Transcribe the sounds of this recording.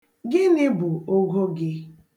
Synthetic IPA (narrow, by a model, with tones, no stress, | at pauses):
ɡɪ˦nɪ˦bʊ˨o˦ɡo˦ɡɪ˦